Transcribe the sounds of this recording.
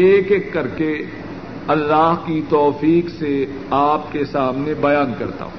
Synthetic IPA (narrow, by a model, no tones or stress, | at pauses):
eːkekːɐɾke | ɐlːaːɦkit̪ɔːfiːkse | aːp̚kesaːmnebɐjaːnkɐɾt̪a̰ːɦũː